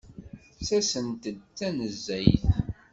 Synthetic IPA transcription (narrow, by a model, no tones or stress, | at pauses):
sæsənt̪əd̪t͡sːænəzːæjθ